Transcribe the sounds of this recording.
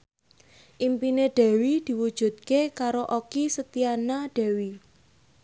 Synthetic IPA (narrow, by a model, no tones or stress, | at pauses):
ʔimpineɖ̥ɛ̤wid̪̥i̤wud̥ʒ̥ṳt̪̚kekaɾoʔokisət̪ianaɖ̥ɛ̤wi